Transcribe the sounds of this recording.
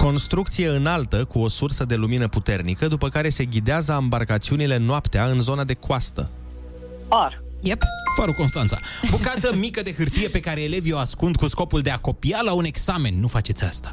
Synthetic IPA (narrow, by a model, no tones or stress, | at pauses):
ko̞nst̪ɾuk̚t̪sije̞ɨnalt̪əkuo̞sursəd̪e̞luminəput̪e̞rnikəd̪upəkaɾe̞se̞ɡʲid̪eazəambarkat̪siunile̞noapt̪eaɨnzo̞nad̪e̞koast̪ə̰ | ar | jepfaɾoko̞nst̪ant̪sa̰bukat̪əmikəd̪e̞ɦɨrt̪ije̞pe̞kaɾe̞ːle̞vjoaskund̪̚kusko̞puld̪e̞ako̞pialaune̞ɡsame̞nːufat͡ʃe̞t̪sʲast̪ḁ